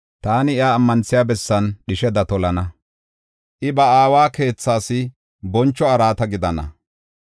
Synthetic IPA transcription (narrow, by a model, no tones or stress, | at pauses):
t̪aːnɪɪjaːmːɐnsɪjaːbɛsːɐnɗɪʃɛd̪ɐt̪ɔlɐnɐ | ʔɪbɐaːwaːke̞ːt͡sːaːsɪ | bɔnt͡ʃːɔɐɾaːt̪ɐɡɪd̪ɐnɐ̰